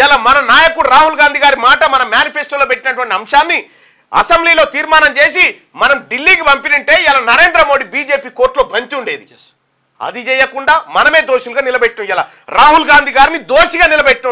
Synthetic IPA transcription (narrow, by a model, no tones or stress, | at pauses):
jalamɐnɐnaːjɐkuɽɾaːɦulɡaːnd̪iɡaːɾimaːʈɐmɐnɐmjaːnipʰesʈɐloːpeʈːinɐʈuʋɐɳʈiɐmʂaːnːi | ɐ̰sɐmbliːlo̞ːt̪iːɾmaːnɐmt͡ʃe̞ːsi | mɐnɐmɖilːiːkipɐmpinɐɳʈe̞ːiaːlanɐɾe̞ːnd̪ɾɐmo̞ːɽibiːd͡ʒe̞ːpiːko̞ːɾʈloːbʱɐɲt̪iuɳɖe̞ːd̪id͡ʒs | ɐ̰d̪it͡ʃɛːjɐkuɳɖaːmɐnɐme̞ːd̪oːʃuluɡaːnilɐbeʈːumjaːla | ɾaːɦulɡaːnd̪ʱiɡaːɾinid̪oːʃiɡaːnilɐbeʈːu